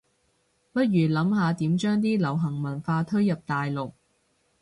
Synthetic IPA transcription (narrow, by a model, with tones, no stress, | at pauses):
pɐ˥t̚ɥyː˨˩lɐ˨˥mɦaː˨˧t̪iː˨˥mt͡ʃœː˥ŋt̪̬iː˥lɐ˨˩wɦɐ˨˩ŋmɐ˨˩nfaː˧t̪ʰɵ˥ɥjɐ˨p̚t̪aː˨jlʊ˨k̚